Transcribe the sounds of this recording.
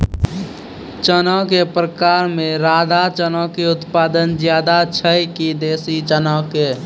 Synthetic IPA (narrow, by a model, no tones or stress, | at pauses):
t͡ʃənɔk̬epɾəkaːɾmẽɾaːd̪ʱat͡ʃənɔkeʊt̪paːd̪ənd͡ʒjaːd̪at͡ʃʰəjkid̪eːsit͡ʃənɔke